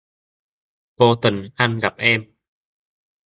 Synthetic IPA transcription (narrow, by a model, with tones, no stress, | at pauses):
poː˧t̪ɤ˨˩nʔa˧˩nka˨˩p̚ʔeː˧˩m